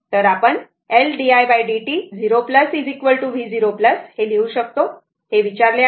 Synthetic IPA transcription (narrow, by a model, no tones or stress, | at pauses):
t̪əɾapəɳ | elɖiajbajɖiʈiːd͡ziɾopləsid͡zikʋəlʈuʋiːd͡ziɾopləsheleuɕək̚t̪o | heʋit͡ɕaɾla